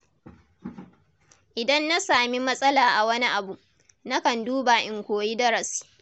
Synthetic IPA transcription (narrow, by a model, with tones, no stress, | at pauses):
ʔɪ˨dɐ˦nːa˦saː˨mi˦mɐ˦sʼɐ˦laː˨ʔa˨wɐ˦ni˦ʔa˨bu˨ | na˦kɐ˨nduː˦baː˨ʔɪ˨ŋkʷoː˨ji˦dɐ˦ɾɐ˨s